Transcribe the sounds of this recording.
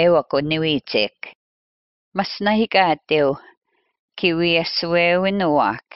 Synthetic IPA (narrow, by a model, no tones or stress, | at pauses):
ewɐkʊnɪwiːt͡sḛːk | masnaɦɪkaːt̪ew | kʰɪwiasʊweːwɪnʊwa̰ːk